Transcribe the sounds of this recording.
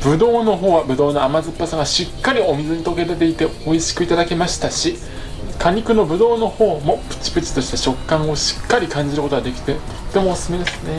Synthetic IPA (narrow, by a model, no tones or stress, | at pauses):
bɯ̟d̪o̞ːno̞ɦo̞ːβabɯ̟d̪o̞ːnoamazɨpːasaŋɡaɕikːaɾʲiomʲizɨɲ̟it̪o̞ke̞ɾet̪e̞it̪e̞oiɕi̥kɯ̟it̪ad̪ake̞maɕi̥t̪aɕi | kʰaɲ̟ikɯ̟no̞bɯ̟d̪o̞ːno̞ho̞ːmo̞pɯ̟̥t͡ɕi̥pɯ̟t͡ɕi̥t̪o̞ɕi̥t̪e̞ɕo̞kːãɰ̃o̞ɕi̥kːaɾʲikãɲ̟d͡ʑiɾɯ̟ko̞t̪o̞ɡad̪e̞kʲi̥t̪e̞t̪o̞̥t̪ːe̞mo̞ːsɨ̥sɨme̞d̪e̞sɨ̥ne̞